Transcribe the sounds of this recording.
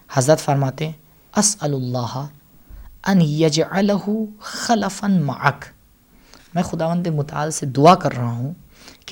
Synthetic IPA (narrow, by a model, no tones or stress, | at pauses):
hɐzɾət̪fɐɾmaːt̪eɦɛ̃ | ʔɐsɐlʊlˤːɑːɦɐ | ʔɐnjɐd͡ʒʕalɐɦʊxɐlɐfɐnma̰ʕak | mɛ̃ːxʊd̪aːʋə̃nd̪emʊt̪a̰ːlsed̪ʊakɐɾːɐɦaɦũ | k